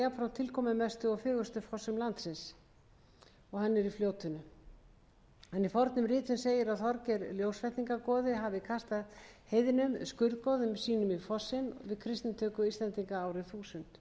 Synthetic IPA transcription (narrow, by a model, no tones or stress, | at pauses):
japfɾawnt̪ʰɪlkʰɔːmɪmɛst̪ʏɔfɪːɣʏst̪ʏfɔsːʏmlant̪sɪns | ɔɣhanːɪɾifljoːwt̪ʏnʏ | ɛnifɔɾt̪nʏmrɪːt̪ʏnseːjɪɾawθɔɾcɛɾljowsfɛht̪niŋkakɔːðɪɦavɪkʰast̪aðhejðɪnʏmskʏɾðkɔːðʏmsiːnʏmifɔsːɪnvɪðkʰɾɪst̪nɪmt̪ʰœːkʏiːst̪lɛnt̪iŋkaaːwɾɪθuːsʏnt̪